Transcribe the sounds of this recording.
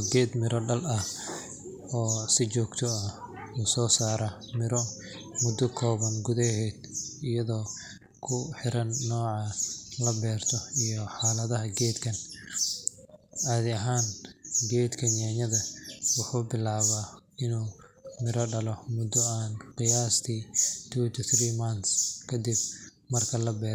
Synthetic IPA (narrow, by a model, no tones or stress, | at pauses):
ɡɛːd̪mɪɾɔɖɐlɐh | ɔːsɪt͡ʃɔːɡt̪ʰɔɐ | uːsɔːsaːɾɐ | mɪɾɔ | mʊd̪ɔkʰɔːβɐnɡʊðɛɦɛːd̪ɪjɐðɔː | kʰʊħɪɾɐnːɔːʕɑlɐbɛːrt̪ʰɔijɔħaːlɐðɐɦɐɡɛːd̪kʰɐn | ʔaːðɪɐɦaːnɡɛːd̪kʰɐnjaːɲɐðɐwʊħuːbɪlaːβaːɪnuːmɪɾɐɖɐlɔmʊd̪ɔaːnqɪjaːst̪ʰiːt̪ʰuːt̪ʰuθriːmant̪skʰɐd̪ɪb̚ | mɐrkʰɐlɐbɛː